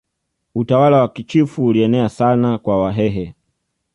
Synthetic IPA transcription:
utawalawakit͡ʃifuːliɛnɛasanakwawaɦɛɦɛ

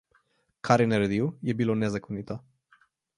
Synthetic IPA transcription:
kʰaɾeneɾed̪iwjebilonezakonit̪ə

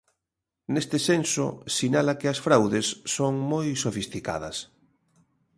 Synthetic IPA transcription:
nest̪esenso̰sinalakɪɐsfɾawðesːoŋmojsofist̪ika̰ðɐs

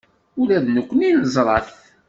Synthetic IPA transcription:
ʊlæðnəkʷːninəzˤɾˤɑθ

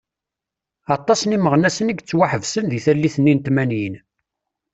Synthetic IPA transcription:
ɑt̪ˤːɑsniməʁnæsəniɡt͡sːwaħəvsənðiθælːiθənːint̪mænjin

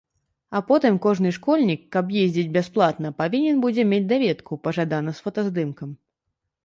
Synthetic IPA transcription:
apɔt̪ɨmkɔʐnɨʂkɔlʲnʲikːɐbjezʲd͡zʲid͡zʲbʲasplˠat̪nɐpavʲinʲɛnbud͡zʲɛmʲed͡zʲd̪avʲɛt̪kʰupɐʐad̪anɐsfɐt̪ɐzd̪ɨmkɐm

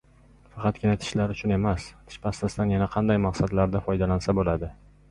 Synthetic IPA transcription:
fɑqɑt̪kʲɪnat̪ʰɪ̥ʃlaɾʊt͡ʃʰʊne̞mast̪ʰɪ̥ʃpast̪asd̪anjanaqʰɑnd̪ajmɑqsad̪laɾd̪afɒjd̪alansabolad̪ɪ

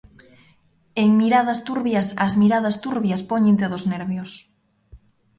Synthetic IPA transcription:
eŋmiɾað̞ɐst̪uɾβjɐsɐzmiɾað̞ɐst̪uɾβjɐspoɲẽnt̪̬eðoznɛɾβjos

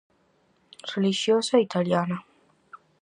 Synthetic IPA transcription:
suliʃiosoitʰalijana

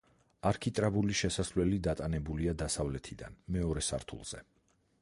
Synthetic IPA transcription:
aɾkʰit̪ʼɾabuliʃɛsaslɛlid̪at̪ʼanɛbuliad̪asavlɛt̪ʰid̪a̰nmɛɔɾɛsa̰ɾt̪ʰṵlˠz̥ɛ̰

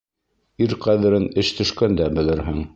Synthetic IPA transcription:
iɾqæðɘ̆ɾɘnɘʃt̪ʰɵ̆ʃkænd̪æbɘ̆lɘ̆ɾɦɘŋ

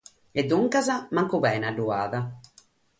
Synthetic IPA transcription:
ɛd̪ːuŋkazamaŋkuβɛːnaɖːuaːða

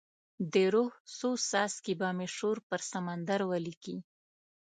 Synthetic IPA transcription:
d̪eɾohsosɑskibameʃoɾpəɾsamand̪aɾwaliki

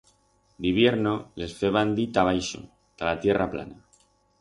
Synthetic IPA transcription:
d̪iβje̞ɾnole̞sfeβ̞and̪it̪aβ̞ajʃo̰ | t̪alat̪je̞rʔapla̰na

